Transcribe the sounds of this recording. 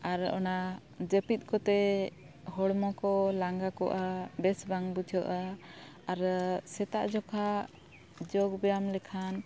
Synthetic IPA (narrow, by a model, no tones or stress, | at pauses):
aɾɔ̰na | d͡ʒəpit̪̚kɔt̪ɛ | hɔɽmɔkɔlaŋɡakɔ̰ʔabɛsbaŋbud͡ʒʰɔʔaː | ɾsɛt̪aʔd͡ʒɔkʰa | d͡ʒɔɡbɛjamlɛkʰan